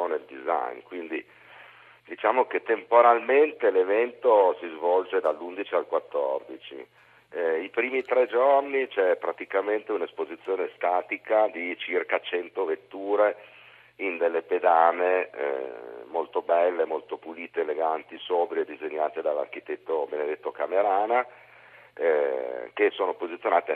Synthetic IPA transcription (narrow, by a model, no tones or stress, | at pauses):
oneld̪iza̰jnkwind̪i | d̪it͡ʃaːmoket̪ːempoɾalment̪elevɛnt̪osizvɔld͡ʒed̪alːund̪it͡ʃialkwat̪ːɔrd̪it͡ʃḭ | ipɾiːmit̪ɾɛd͡ʒornit͡ʃɛpɾat̪ikament̪eunespozit̪sːjoːnest̪aːt̪ikad̪it͡ʃirkat͡ʃɛnt̪ovet̪ːuːɾe | ind̪elːeped̪aːnḛ | molt̪obɛlːemolt̪opuliːt̪eːleɡant̪isoːbɾied̪ːizeɲːaːt̪ed̪alːa̰rkit̪ɛt̪ːobened̪et̪ːokameɾaːna | kesoːnopozit̪sjonaːt̪e